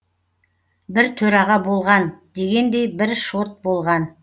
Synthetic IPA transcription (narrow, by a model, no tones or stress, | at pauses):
bɪɾt̪ʰɵɾɑʁɑbo̞lˠʁɑnd̪e̞ɡʲe̞nd̪e̞jbɪɾʃo̞t̪̚bo̞lˠʁɑn